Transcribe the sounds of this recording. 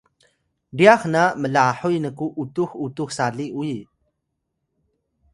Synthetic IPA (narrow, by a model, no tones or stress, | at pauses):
ɖiaχnaməlaħujnəkuʔutuxutuxsaɮiʔuj